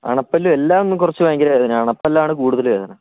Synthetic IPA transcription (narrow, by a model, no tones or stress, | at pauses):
a̰ːɳɐpːɐlːuelːaːmonːumkurɐt͡ɕːɨʋɐːŋɡilajɐðinɨaːɳɐpːɐlːaːɳɨkuːɽuðɐlʋe̞ːðɐnɐ